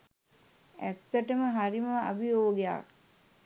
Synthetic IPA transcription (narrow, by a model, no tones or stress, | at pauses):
æt̪ːəʈəməɦaɾiməa̰bijoːɡeja̰k